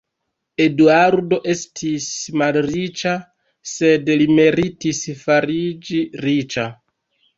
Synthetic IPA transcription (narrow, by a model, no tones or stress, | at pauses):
e̞duaɾdo̞ʔe̞stʰismalɾit͡ʃa | se̞dlime̞ɾitisfaɾid͡ʒiɾit͡ʃa